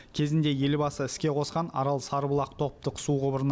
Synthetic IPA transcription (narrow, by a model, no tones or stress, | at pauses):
kʲʰe̞zɪnd̪e̞je̞lbɑsəɪskʲe̞qʰo̞sqɑnɑ̰ɾɑlˠsɑɾbəlˠɑq̚t̪ʰo̞p̚t̪əqsuʁəbəɾn